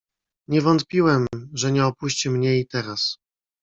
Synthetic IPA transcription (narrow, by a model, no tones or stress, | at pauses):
ɲɛvɔnt̪pʲiwɛmʐɛɲɛɔpuɕt͡ɕimɲɛit̪ɛɾas